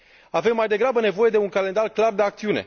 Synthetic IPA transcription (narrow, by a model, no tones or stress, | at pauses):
ave̞mːajd̪e̞ɡɾabəne̞vo̞je̞d̪e̞uŋkale̞nd̪arklard̪e̞ak̚t̪siune̞̰